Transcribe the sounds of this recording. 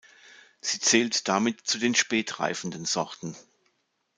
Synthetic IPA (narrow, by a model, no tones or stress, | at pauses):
z̥iːt͡sɛːltd̥amɪtt͡sudeːnʃpɛːtʁ̥a̰ɪfn̩dənzɔʁtn̩